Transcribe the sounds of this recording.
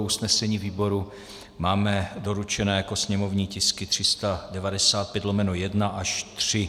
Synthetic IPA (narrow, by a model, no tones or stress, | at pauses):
usnɛsɛɲiːviːbo̞ɾu | maːmɛdo̞ɾut͡ʃɛnɛːjako̞sɲɛmo̞vɲiːcɪskɪt̪r̝̥ɪst̪adɛvadɛsaːt̪̚pjɛt̪lomɛnojɛdnaʔaʃt̪r̥ɪ